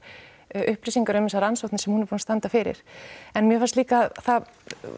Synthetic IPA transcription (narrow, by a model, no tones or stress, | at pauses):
ʔʏhplisiŋkaɾœmɪsaɾansowt̪nɪsɛmhunɪɾpɔnst̪ant̪afɪːɾɪ̰ɾ̥ɛnmjɛfansliːkaðθa